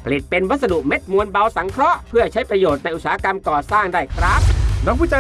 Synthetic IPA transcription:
pʰa˧li˨˩t̪̚pe˧nwa˦˥t̪̚sa˧du˨˩ʔme˦˥t̪̚mu˧ənba˧wsa˩˦ŋkʰɾɔ˦˥ʔpʰɯ˥˩ɐt͡ɕʰa˦˥jpɾa˧joː˨˩t̪̚na˧jʔu˨˩saː˦˥ka˧mkɔː˨˩saː˥˩ŋdaː˥˩jkʰɾaː˦˥˩k̚na˧˦˥pʰu˥˩t͡ɕa˧

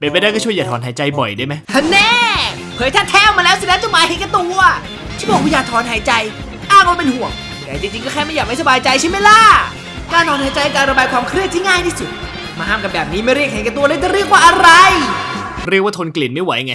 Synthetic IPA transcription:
pe˧˩npa˧daː˥˩jkɔː˥˩t͡ɕʰu˥˩jaː˨˩t̪ʰɔː˩˦nɦaː˩˦jt͡ɕa˧jbɔ̰˨˩jda˥˩˨ma˦˥jʰnɛː˧˥˩ | pʰɤː˨˦jt̪ʰa˥˩t̪ʰɛː˧˥˩wmaː˧lɛː˦˥wsa˧˦dɛː˦˥nt͡ɕa˧˩maː˨˦hɛ˨˦ŋka˧t̪u˧ | t͡ɕʰi˥˩bɔː˨˩k̚ʰu˧jaː˨˩t̪ʰɔː˨˦nɦaː˩˦jt͡ɕa˧j | ʔaː˥˩ŋwaː˥˧˩pe˧nhu˨˩əŋ˨˩da˨˧˩t͡ɕ̪i˧t͡ɕi˧ŋkɔː˥˩kʰɛː˥˩ma˥˩jaː˨˩ma˥˩sa˧baː˧jt͡ɕa˧jt͡ɕʰi˦˥˩ma˥˩jla˧˥˩ | kaː˧nt̪ʰɔː˨˦nhaː˨˩˦jt͡ɕa˧jʔkaː˧nɾa˧baː˧jkʰwaː˧mkʰɾi˥˩ət̪̚ʰi˥˩ŋaː˥˩jt̪ʰiː˥˩su˨˩t̪̚ | maː˧haː˥˩mka˨˩p̚bɛː˨˩p̚niː˦˥˩ma˥˩jɾi˥˩k̚ha˨˦jka˧t̪̬u˧ədaː˧˥˩t͡ɕaː˧˩ɾi˥˩ək̚waː˥˩ʔa˧ɾa˧j | ɾi˥˩kwaː˥˩t̪ʰo˧nkli˨˩nma˥˩jwa˨˩˦ŋa˧˦

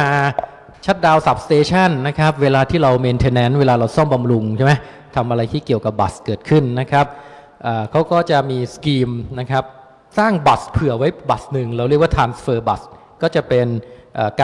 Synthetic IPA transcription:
aː˧˩ | t͡ɕʰa˦˥t̪̚daː˧wsa˨˩p̚st̪eː˧t͡ɕʰa˥˩nːa˦˥kʰa˦˥p̚weː˧laː˧t̪ʰiː˥˩ɾa˧wmeː˧nt̪ʰeː˧nɛ˦˥nweː˧laː˧ɾa˧wsɔ˥˩mba˧mɾu˧ŋt͡ɕʰma˦˥ | t̪ʰa˧mʔa˧ɾa˧jt̪ʰiː˥˩ki˨˩əwka˨˩p̚ba̰˨˩skɤː˨˩t̪̚kʰɯ˥˩nːa˦˥kʰɾa˦˥p̚ | ʔaː˨˩kʰa˦˥wkɔː˥˩t͡ɕa˨˩miː˧skiː˧mna˦˥kʰa˦˥p̚ | saː˥˩ŋba˨˩spʰɯ˨˩əwa˦˥jba˨˩snɯ˨˩ŋɾɛ˧wɾi˥˩k̚waː˥˩t̪ʰɾaː˧nsfɤː˧ba˨˩s | kɔː˥˩t͡ɕa˨˩pe˧nʔaː˨˩kː

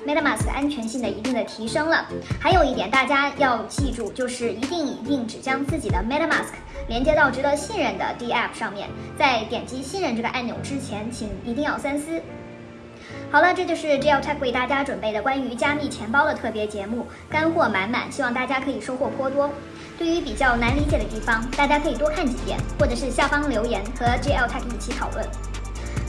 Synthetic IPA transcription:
mɛ˥ɾə˥˩ma˥˩ska˥nt͡ɕʰɥɛ˧˥nɕi˥˩ŋd̪ə˩ḭ˧˥t̪i˥˩ŋd̪ə˩t̪ʰi˧˥ʂɤ˥ŋlə˨xa˧˥ɪjo˨˩ʊi˥˩t̪jɛ˨˩nt̪a˥˩t͡ɕja˥jɑ˥˧ʊt͡ɕi˥˧ʈ͡ʂu˥˧t͡ɕjo˥˧ʊʂɻ̩˥˩i˧˥t̪i˥˩ŋi˨˩t̪i˥˩ŋʈ͡ʂɻ̩˨˩t͡ɕjɑ˥ŋt͡sɹ̩˥˩t͡ɕi˨˩d̪ə˦mɛ˥ɾə˥ma̰˥˩skʰ | ljɛ˧˥nt͡ɕjɛ˥t̪ɑ˥˩ʊʈ͡ʂɻ̩˧˥d̪ə˧ɕi˥˧nɻə˥˩nd̪ə̰˩t̪i˥˧ɛ˥˩pʰʂɑ˥˧ŋmjɛ̰˥˩nt͡sa˥˩ɪt̪jɛ˨˩nt͡ɕi˧˥ɕi˥nɻə˥˧nʈ͡ʂɤ˥˩ɡə˩ʔa˥˩njo̰˨˩ʊʈ͡ʂɻ̩˥t͡ɕʰjɛ˧˥nt͡ɕʰi˧˩ŋi˧˥t̪i˥˧ŋjɑ˥˩ʊsa˥nsɹ̩˥ | xɑ˨˩ʊlə˧ʈ͡ʂɤ˥˧t͡ɕjo˥˧ʊʂɻ̩˥˧ʈ͡ʂi˥ɛ˥˩ʊt̪ʰa˥˩kʰwe˥˧ɪt̪a˥˩t͡ɕja˥ʈ͡ʂwə˨˩npe˥˩ɪd̪ə˩kwa˥ny˧˥t͡ɕja˥mi˥˩t͡ɕʰjɛ˧˥npɑ˥ʊɾə˨t̪ʰɤ˥˩pjɛ˧˥t͡ɕjɛ˧˥mu˥˩ | ka˥nxwɔ˥˩ma˧˥nma̰˨˩nɕi˥wɑ˥˧ŋt̪a˥˩t͡ɕja˥kʰɤ˧˥i˨˩ʂo˥ʊxwɔ˥˩pʰwɔ˥t̪wɔ˥ | t̪we˥˩ɪy˧˥pi˨˩t͡ɕjɑ˥˩ʊna˧˥nli˧˥t͡ɕjɛ˨˩d̪ə˦t̪i˥˩fɑ˩ŋt̪a˥˩t͡ɕja˥kʰɤ˧˥i˨˩t̪wɔ˥kʰa˥˩nt͡ɕi˧˥t̪jɛ̰˨˩˦nxwɔ˥˩ʈ͡ʂɤ˨˩ʂɻ̩˥˧ɕja˥˩fɑ˥ŋljo˧˥ʊjɛ˧˥nxɤ˧˥ʈ͡ʂi˥ɛ˥˩ʊt̪ʰa˥˩ki˥˩t͡ɕʰi˧˥t̪ʰɑ˨˩ʊlwə̰˥˩n

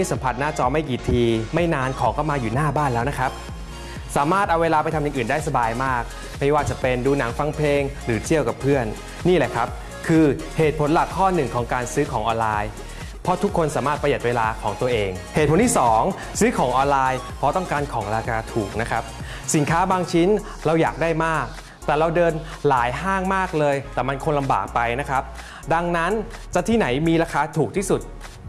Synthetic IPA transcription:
a˥˩jsa˨˦mpʰa˨˩t̪̚naː˥˩t͡ɕɔː˧ma˥˩jkiː˨˩t̪ʰiː˧ma˥˩jnaː˧nkʰɔː˩˦ŋkɔ˥˩wmaː˧juː˨˩naː˥˩baː˥˩nlɛː˦˥wna˦˥kʰɾa˦˥p̚ | saː˨˩˦maː˥˩t̪̚ʔa˧weː˧laː˧pa˧jt̪ʰmjɯ˨˧nʔɯː˨˩ndaː˥˩jsa˧baː˧jmaː˥˩k̚ | ma˥˩jwaː˥˩t͡ɕa˨˩pe˧nduː˧na˩˦ŋfa˧ŋpʰeː˧ŋɾɯː˩˦t͡ɕ̪ʰi˥˩əwka˨˩pʰːɯ˥˩ənː | iː˥˩lɛ˨˩kʰɾa˦˥p̚ | kʰɯː˧ | heː˨˩t̪̚pʰo˩˦nla˨˩kʰːɔː˥˩nɯ˨˩ŋkʰɔː˩˦ŋkaː˧nsɯː˦˥kʰɔː˩˦ŋʔɔː˧nlaː˧j | pʰɔ˦˥t̪ʰu˦˥kʰːo˧nsaː˩˦maː˥˩t̪̚pɾja˨˩t̪̚weː˧laː˧kʰɔː˩˦ŋt̪u˧əʔeː˧ŋhe˨˩t̪̚pʰo˨˦t̪ʰiː˥˩sɔː˩˦ŋ | sɯː˦˥kʰɔː˩˦ŋʔɔː˧nlaː˧j | pʰɔ˦t̪ɔ˥˩ŋkaː˧nkʰɔː˩˦ŋɾaː˧kaː˧t̪ʰuː˨˩k̚na˦˥kʰɾa˦˥p̚ | si˨˩˦nkʰaː˦˥baː˧ŋt͡ɕʰi˦˥n | ɾa˧wjaː˨˩k̚daː˥˩jmaː˥˩k̚ | t̪ɛː˨˩ɾa˧wdɤː˧n | laː˩˦jɦaː˥˩ŋmaː˥˩k̚lɤː˧jt̪ɛː˨˩ma˧nkʰo˧nla˧mba̰ː˨˩k̚pa˧jna˦˥kʰa˦˥p̚ | da˧ŋna˦˥nt͡ɕa˨˩t̪ʰiː˥˩na˩˦jmiː˧ɾaː˧kʰaː˧˥t̪ʰuː˨˩k̚t̪ʰiː˥˩su˨˩t̪̚

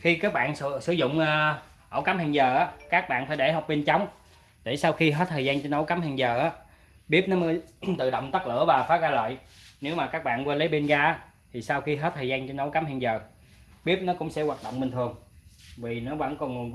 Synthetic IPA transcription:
xi˧kaː˦˥k̚ɓa̰ː˧˨n˧sɨ˧˩˦zʊ̰˧˨ŋ͡mʔː | ʔə̰˧˩wka˨˦mhi˨˩ŋzəː˨˩ʔaː˨˦kaː˦˥k̚ɓa̰ː˧˨nfaː˧˩jɗe˧˩ɦɔ˨˩k͡p̚ɓe˧nt͡ɕa˨˦wŋ͡m | ɗ̪e˧˩sa˧wxi˧ɦə˦˥t̚t̪ʰəː˨˩zaː˧nt͡ɕɔ˧nə˨˦wka˨˦mha˨˩ŋzəː˨˩ʔaː˨˦ | ɓi˦˥əp̚nɔ˨˦mə˨˦jt̪ɨ̰˧˨ɗə̰˧˨wŋ͡mt̪ə˦˥k̚lɨ̰˧˩˥əvaː˨˩faː˨˦ɣaː˧lə̰ː˧˨jne˨˦wmaː˨˩kaː˦˥k̚ɓa̰ː˧˨nkwa˧jlə˨˦ɓe˧nɣaː˧ʔaː˨˦ | t̪ʰi˨˩sa˧wxi˧ɦəe˦˥t̚t̪ʰəː˨˩zaː˧nt͡ɕɔ˧nə˨˦wka˨˦mha˧ŋzəː˨˩ | ɓi˦˥əp̚nɔ˨˦kʊ̰˧˥ŋ͡msɛ̰˧˥waː˨˩t̚ɗo̰˧˨wŋ͡mɓï˨˩ŋ̟t̪ʰɨ˨˩əŋvi˨˩nɔ˨˦və̰˧˥˩nkɔ˧ŋɨ˨˩ən

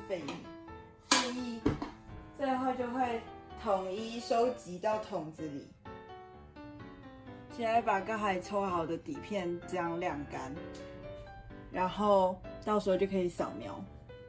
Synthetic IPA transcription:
fe˨˩ɪ˨˩ | fu˥˧i˥˧ | t͡swe˥˧ɪxo˥˧ʊt͡ɕjo˥˧ʊxwe˥˩ɪt̪ʰʊ˨˩ŋi˦ʂo˦ʊt͡ɕi˨˧˦t̪ɑ˥˨˩ʊt̪ʰʊ˨˩ŋd͡zɹ̩˦lḭ˨˩ | t͡ɕʰi˥a˥pa˨˩ka˥˩xa˨˩ɪt͡sʰo˦ʊxɑ˨˩ʊd̪ə˨t̪i˨˩pʰjɛ˥˨nt͡ɕɤ˥˧jɑ˥˩ŋljɑ˥˩ŋka˦n | ɻa˧˦nxo˥˨ʊt̪ɑ˥˩ʊʂ̩˧˥o˥˧˩t͡ɕjo˥˩kʰə˧˥i˨˩sɑ̰˨˩ʊŋmjɑ̰˧˦ʊ

